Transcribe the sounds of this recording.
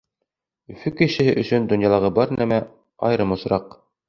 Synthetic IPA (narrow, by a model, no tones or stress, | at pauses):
ɵ̆fɵkɘ̆ʃɘ̆hɘʔɵ̆sɵnd̪ŏnjɑlˠɑʁɤbɑɾnæmæ | ɑ̰jɾɤmŏsɾɑq